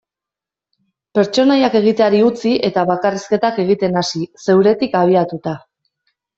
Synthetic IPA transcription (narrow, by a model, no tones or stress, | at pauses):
pe̞ɾt͡ʃo̞najake̞ɣ̞it̪eaɾiut͡siʔe̞t̪aβakariske̞t̪ake̞ɣ̞it̪e̞nasise̞wɾe̞t̪ikaβ̞iat̪ut̪a